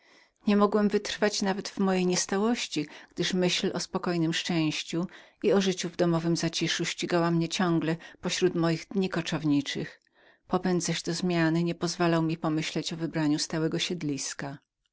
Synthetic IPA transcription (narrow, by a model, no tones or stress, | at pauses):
ɲɛmɔɡwɛmvɘt̪ɾfat͡ɕnavɛd̪vmɔjejɲɛst̪awɔɕt͡ɕiɡ̥d̪ɘʂmɘɕlʔɔspɔkɔjnɘmʂt͡ʂɛ̃w̃ɕt͡ɕuiɔʐɘt͡ɕuvd̪ɔmɔvɘmzat͡ɕiʂuɕt͡ɕiɡawamɲɛt͡ɕɔŋɡlɛpɔɕɾut̪mɔjiɣd̪ɲikɔt͡ʂɔvɲit͡ʂɘx | pɔpɛnd̪zaʑd̪ɔzmʲjanɘɲɛpɔzvalawmʲipɔmɘɕlɛt͡ɕɔvɘbɾaɲust̪awɛɡɔɕɛd̪lʲiska